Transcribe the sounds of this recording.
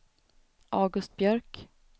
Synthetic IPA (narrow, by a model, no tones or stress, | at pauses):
ʔɑːɡɵst̪̚bjœɾk